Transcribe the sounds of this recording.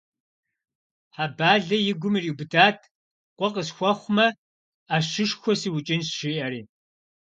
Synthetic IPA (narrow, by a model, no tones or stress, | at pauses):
ħabaːɮɐjɪɡʷʊmiriːwbɨdʰaːtʰ | qʷʼɔqʼəsxʷɔχʷmɐ | aːʃɨʂxʷɔsiːwʊt͡ʃʼɪnsʃiʔɐɾiː